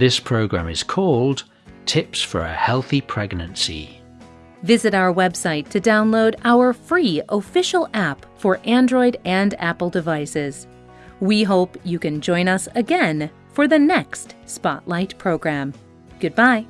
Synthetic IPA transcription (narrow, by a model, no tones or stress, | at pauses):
ðɪspʰɹ̥oʊɡɹæ̰̃mɪ̰z̥kʰɔlˠd | tʰɪpsfə̰˞ɨ̰hɛlˠθipʰɹ̥ɛɡnɨ̃nsḭ | vɪzɨɾaʊə˞wɛb̥saɪtʰɨdãʊ̃nloʊɾaʊə˞fɹiəfɪʃl̩ˠæp | fə˞ʔæ̃ndɹɔɪɾɨ̃næ̰pl̩ˠdɨvaɪsɪz̥ | wiɦoʊpjɨkɨ̃nd͡ʒɔ̃ɪ̃ñʌsɨɡɛ̃n | fə˞ðɨnɛkstspɑ̰ʔˡlaɪt̚pʰɹ̥oʊɡɹæ̃m | ɡ̥ʊd̚baɪ